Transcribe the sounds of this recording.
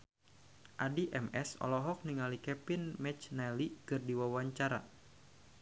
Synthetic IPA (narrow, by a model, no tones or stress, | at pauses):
ʔadiʔɛmɛsɔ̰lɔɦɔk̚niŋalikɛpinmɛt͡ʃnɛlikɨrdiwawaɲt͡ʃaɾa̰